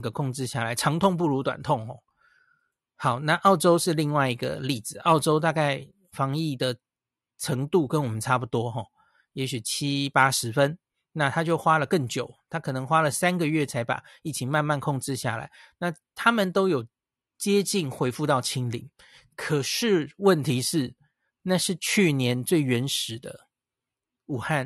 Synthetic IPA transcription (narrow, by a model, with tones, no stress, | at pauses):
ɡə˦kʰʊ˥˩ŋʈ͡ʂɻ̩˥ɕja˥˩la˨˧˥ɪʈ͡ʂʰɑ˧˥ŋt̪ʰʊ˥˧ŋp̬u˥˩ɻu˧˥t̪wa̰˨˩nt̪ʰʊ˥˨˩ŋxɔ̰˥˩ | xɑ˨˩˦ʊna˥˧ʔɑ˥˩ʊʈ͡ʂo˥ʊʂɻ̩˥˧li˥˧ŋwa˥˩ɪi˧˥ɡə̰˧li˥˩d͡zɹ̩˨˩˦ɑ˥˩ʊʈ͡ʂo˥ʊt̪̬a˥˧ka˥˩ɪ | fɑ˧˥ŋi˥˩d̪ə˩ | ʈ͡ʂʰə˧˥ŋt̪u˥˨kə˦nwɔ˨˩mə˦nʈ͡ʂʰa˥pu˧˩t̪wɔ˥xɔ˥˩ | jɛ˧˥ɕy˨˩t͡ɕʰi˦pa˥ʂɻ̩˧˥fə˦n | na˥˧t̪ʰa˥t͡ɕjo˥˩ʊxwa˥lə˨kə˥˩ŋt͡ɕjo˨˩ʊt̪ʰa˥kʰɤ˨˩nɤ˧˦ŋxwa˥lə˨sa˥nɡə˨ɥɛ˥˩t͡sʰa˧˥ɪpa̰˨˩i˥˩t͡ɕʰi˨˩ma˥˧nma˥˧nkʰo˥˧ŋʈ͡ʂɻ̩˥˧ɕja̰˥˩la̰˧˦ɪna˥˨ | t̪ʰa˥mə˨nt̪o˥ʊjo˨˩ʊ | t͡ɕjɛ˥t͡ɕi˥˩nxwe˧˥ɪfu˥˧t̪ɑ˥˩ʊt͡ɕʰi˥ŋlḭ˨˩˦ŋ | kʰə˨˩ʂɻ̩˥˩wə˥˩nt̪ʰi˧˥ʂɻ̩˥˩ | na˥˧ʂɻ̩˥˧t͡ɕʰy˥˩njɛ˧˦nt͡swe˥˩ɪɥɛ˧˥nʂɻ̩˨˩d̪ə̰˦ | u˨˩xa˥˩n